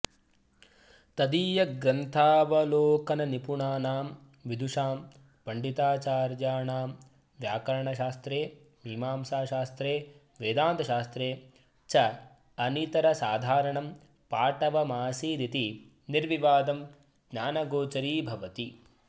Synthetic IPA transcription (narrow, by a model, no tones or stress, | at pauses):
t̪ɐd̪iːjɐɡɾɐnt̪ʰaːʋɐloːkɐnɐnipuɳaːnaːm | ʋid̪ʱuʂaːm | pɐɳɖit̪aːt͡ʃaːɾjaːɳaːm | ʋjaːkɐɾɐɳɐʃaːst̪ɾeː | mʱimaːmsaːʃaːst̪ɾeː | ʋeːd̪aːnt̪ɐʃaːst̪ɾeː | t͡ʃɐ | ɐnit̪ɐɾɐsaːd̪ʱaːɾɐɳɐm | paːʈɐʋɐmaːsiːd̪it̪i | niɾʋiʋaːd̪ɐm | ɡɲaːnɐɡoːt͡ʃɐɾiːbʱɐʋɐt̪i